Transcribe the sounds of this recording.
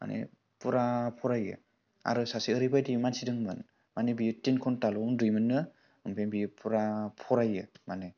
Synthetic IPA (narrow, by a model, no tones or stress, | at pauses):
ma̰nʔḛ | puɾapʰɔɾajɯ̰ | a̰ɾɯsasiːɾibʰajdimansidɯŋmɯn | manibijɯtinkʰɔntalɔundɾimɯnːɯ | ɯmpʰenbijɯpuɾapʰɔɾajɯmanɯ